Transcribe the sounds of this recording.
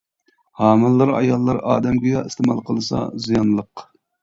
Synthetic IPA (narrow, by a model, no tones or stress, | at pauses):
hɑːmɨlˠːɨɾɑ̰jɑlˠːɑɾɑ̰ːd̪ɛmɡʲijɑist̪emɑlˠqʰəlˠɨsɑ̰zijɑnlˠəq